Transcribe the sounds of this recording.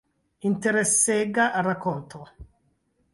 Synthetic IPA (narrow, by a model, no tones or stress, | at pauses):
int̪eɾesːeɡaʔarakːɔnt̪ʰo